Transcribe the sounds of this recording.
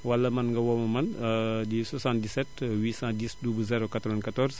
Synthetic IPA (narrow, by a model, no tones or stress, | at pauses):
wɐlːɐmɐnŋɡɐwɔmɐmɐndisɔsãndisɛtwisãdiːsdubəzɛɾokat̪ɾɔʋɛnkatɔrs